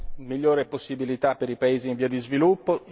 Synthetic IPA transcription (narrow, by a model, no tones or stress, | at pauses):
miʎːoːɾeposːibilit̪apːeɾipaeːziːɱviːad̪izvilupːo